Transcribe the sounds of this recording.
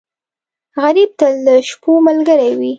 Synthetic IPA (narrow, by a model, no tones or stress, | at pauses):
ɣaɾib̚t̪aləʃpoməlɡəɾajwi